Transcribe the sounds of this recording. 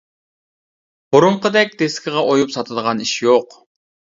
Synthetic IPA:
b̥oɾʊɴqəd̪ɛk̚ʲd̪eskʲɪʁɑʔojupsɑt̪ʰɨd̪əʁɑniʃjoq

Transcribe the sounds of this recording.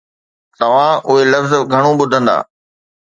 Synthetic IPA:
t̪ɐʋ̤ãʔʊɦelɐfzɡʱɐɽ̃õɓʊd̪ʱə̃nd̪a̰ː

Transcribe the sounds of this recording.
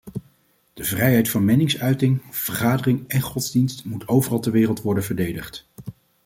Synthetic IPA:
d̥əvrɛjɦɛjtfɑnmɛnɪŋsœɥtɪŋv̥əɹχaːdərɪŋɛnχɔdzdinstmutʰowvərɑlˠtəɹʋɪːrəlˠtʋɔɹdənv̥əɹdejdəχt

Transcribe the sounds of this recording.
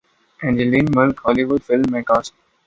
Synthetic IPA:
ɛ̃nd͡ʒəlĩːnmɪlkɦɔːliʋʊɖfɪlmːẽkaːs

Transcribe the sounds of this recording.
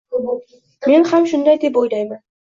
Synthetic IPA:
me̞nhamʃʊnd̪ajd̪e̞pojlajman

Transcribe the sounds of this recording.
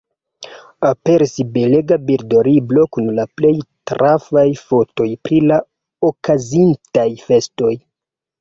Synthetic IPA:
ape̞ɾisibe̞leɡabiɾdo̞ɾiblo̞kunlaple̞jtɾafajfo̞to̞jpɾila | okazintajfe̞sto̞j

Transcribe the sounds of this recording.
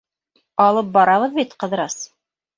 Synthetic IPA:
ɑlˠɤp̚bɑɾɑβɤðbit̪qɤ̆ðɤɾɑs

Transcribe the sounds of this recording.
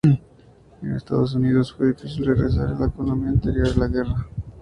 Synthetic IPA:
enest̪a̰ðos̬uniðosfweðifisilreɣɾes̬a̰ɾelaekonõmiant̪eɾjoɾðelaɣera

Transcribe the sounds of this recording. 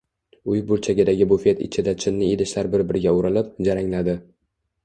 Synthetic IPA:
ʊjbʊɾt͡ʃʰaɡʲɪd̪aɡʲɪbʊfe̞t̪ɪ̰t͡ʃʰɪd̪at͡ʃʰɪnːɪed̪ɪʃlaɾbɪɾbɪɾɡʲaʊɾɪlɪp̚d͡ʒaɾaŋlad̪ɪ

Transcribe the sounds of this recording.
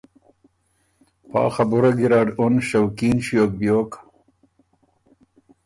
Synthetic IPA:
pɑ̰ːxabuɾaɡiɾaːɖonɕawkiːnɕjok̚bjok

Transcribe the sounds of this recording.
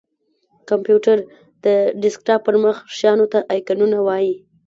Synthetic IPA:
kampjuʈaɾ | d̪̥əɖɪsk̚ʈɑpəɾməxʃjɑnot̪aʔɑjkanunawɑji

